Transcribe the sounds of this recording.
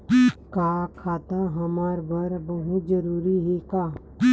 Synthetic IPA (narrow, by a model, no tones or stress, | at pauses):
kaːkʰaːt̪aɦɐmaːɾbɐɾbɐɦud͡ʒəɾuːɾiɦekaː